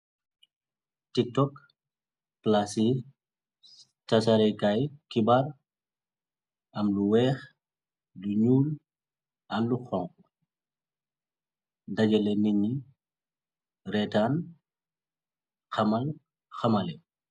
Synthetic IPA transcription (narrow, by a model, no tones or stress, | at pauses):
tik̚tɔk | plasi | tasaɾɛkajkibar | ʔɐmluwɛːx | luɲuːl | ɐluxɔŋku | dɐɟɐlɛniɲi | ɾɛtaːn | xɐmɐl | xɐmɐlɛ